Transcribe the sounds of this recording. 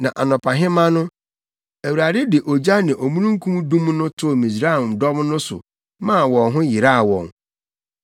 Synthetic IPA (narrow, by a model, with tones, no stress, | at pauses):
nã˨ʔa˨nʊ̃˨pʰa˨ɦɪ̃˦mã˦nʊ̃˦ | æ˨wu˨ɾa˨dɪ˦dɪ˨ʔo˨d͡ʑa˦nɪ̃˨ʔo˨mũ˦ɾũ˦ŋ̩˦kʰũ˦m˦dũ˦mnʊ̃˦tʰʊ˦˨mĩ˨sɾa˦i˨m˨dɔ˦mnʊ̃˦sʊ̰˨ | mã˦˨wɔ̃˨nɦʊ̃˦jɪ˨ɾa˦˨wɔ̰̃˨ŋ